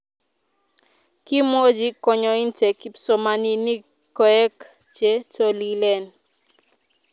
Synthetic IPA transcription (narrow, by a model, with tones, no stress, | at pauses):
ki˦mo˦d͡ʒi˦kɔ˨ɲɔ˨i˦ntɛ˨ki˦psɔ˨ma˨ni˦ni˦ | kɔ˨ɛ˦k | t͡ʃe˦to˦li˦lɛ˦˨n